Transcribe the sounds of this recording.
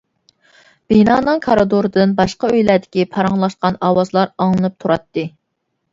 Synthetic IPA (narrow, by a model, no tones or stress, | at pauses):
b̥inɑːnɨŋkʰɑɾɨd̪oɾɨd̪ɨnbɑʃqɑøjlæɾd̪ɪkʲipʰɑɾɑŋlˠɑʃqɑnɑwɑzlˠɑɾɑŋlˠɨnɨp̚t̪ʰuɾɑt̪ːɨ